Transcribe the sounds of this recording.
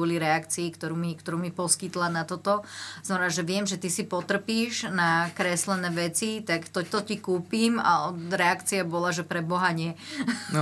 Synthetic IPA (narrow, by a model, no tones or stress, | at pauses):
ɔliɾɛakt͡siːkt̪ɔɾuːmikt̪ɔɾuːmipɔskit̪lanat̪ɔt̪ɔsnamɛnaʒɛʋɪɛmʒɛt̪isipɔt̪r̩piːʒnakɾɛslɛnɛːʋɛt͡sit̪akt̪ɔt̪ɔcikuːpiːma̰ɔɾɛakt͡siabɔlaʒɛpɾɛbɔɦaɲɪɛ